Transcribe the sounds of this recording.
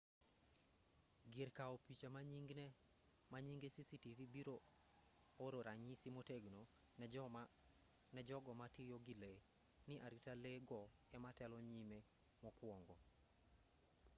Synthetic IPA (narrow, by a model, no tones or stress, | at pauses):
ɡɪɾkaɔpit͡ʃamaɲiŋɡnɛ | maɲiŋɡesisitivibiɾo | oɾoɾaɲisimoteɡno | nɛd͡ʒɔɡɔmatijoɡile | nɪʔaɾitaleɡɔ | ɛmatɛlɔɲime | mɔkwɔŋɡɔ